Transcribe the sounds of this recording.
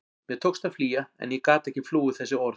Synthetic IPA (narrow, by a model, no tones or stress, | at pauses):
mjɛt̪ʰoːwkst̪aðfliːjaɛ̰njɛkaːt̪ɛhcːɪfluːʏθɛsːɪɔɾ